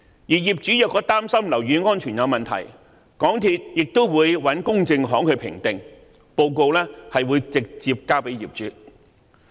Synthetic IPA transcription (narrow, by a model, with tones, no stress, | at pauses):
jiː˨˩jiː˨˩p̚t͡ʃyː˨˥jɐ˨˧t̚kɔː˧t̪aː˥msɐ˥mlɐ˨˩wɥyː˨˧ŋɔː˥nt͡ʃʰyː˨˩njɐ˨˧wmɐ˨nt̪ʰɐ̰˨˩j | kɔː˨˥ŋt̪ʰi˧t̚jɪ˨k̚t̪o˥wwuː˨˧jwɐ˨˥nkʊ˥ŋt͡sɪ˧ŋɦɔː˨˥ŋkʰɵ˨˧ɥpʰɪ̰˨˩ŋt̪ɪ˨ŋ | po˧wko˧wlɛː˥hɐ˨jwuː˨˧jt͡sɪ˨k̚t͡siː˧p̚kaː˥wpe˨˥jiː˨˩p̚t͡ʃyː˨˥